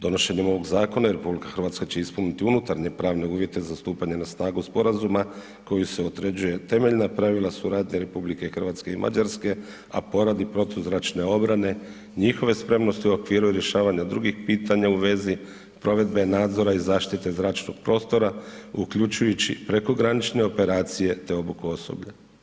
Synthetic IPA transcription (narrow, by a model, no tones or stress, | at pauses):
d̪o̞no̞ʃe̞ɲemo̞ʋoɡzaːko̞naiɾe̞publikḁxrʋat̪skat͡ɕe̞ispunit̪iunut̪aɾɲe̞pɾaːʋne̞uːʋje̞t̪e̞zast̪uːpaɲe̞nasnaːɡuspo̞ɾazuma | ko̞juse̞ot̪ɾe̞d͡ʑuje̞t̪e̞me̞ʎnapɾaʋilˠasuɾaːd̪ɲeɾe̞publikexr̩ʋaːt̪ske̞imʔa̰d͡ʑaɾske̞ | a̰po̞ɾad̪ipɾo̞t̪izɾaːt͡ʃne̞o̞bɾane̞ | ɲixoʋe̞spɾe̞mno̞st̪iuokʋiːɾuiɾje̞ʃaːʋaɲad̪ɾuɡixpiːt̪aɲauʋe̞zi | pɾo̞ʋe̞d̪be̞naːd̪zo̞ɾaizaːʃt̪it̪e̞zɾaːt͡ʃno̞ɡ̥̚pɾo̞ːst̪o̞ɾaukʎut͡ʃujut͡ɕipɾe̞ko̞ɡɾanit͡ʃne̞o̞pe̞ɾaːt̪sije̞t̪e̞o̞bukuoso̰bʎa